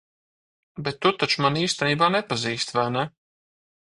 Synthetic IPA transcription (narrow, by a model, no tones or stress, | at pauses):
bɛt̪ːut̪at͡ʃumaniːst̪ɛniːbaːnɛpaziːst̪vænɛ